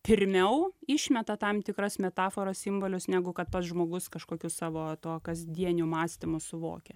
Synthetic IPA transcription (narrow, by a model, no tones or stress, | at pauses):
pʲɪɾʲmʲɛʊɪʃʲmʲɛt̪ɐt̪ɐmt̪ʲɪkɾɐsmʲɛt̪ɑːfoːɾɐssʲɪmboːlʲʊsnʲæːɡʊkɐt̪̚pɐsʒmoːɡʊskɐʃkoːkʲusɑːʋoːt̪uɔkɐzʲd̪ʲiɛnʲumɑːsʲt̪ʲɪmʊsʊʋo̰ːkʲɛ